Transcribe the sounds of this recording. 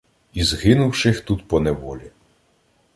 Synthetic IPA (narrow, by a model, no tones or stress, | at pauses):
izɦɪnʊwʃɪxt̪ut̪pɔnɛʋɔlʲi